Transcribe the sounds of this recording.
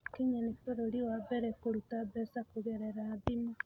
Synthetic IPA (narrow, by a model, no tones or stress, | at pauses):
kiɲanitoɾoɾiwaβɛɾɛkoɾutaβɛsakuɣɛɾɛɾaːðima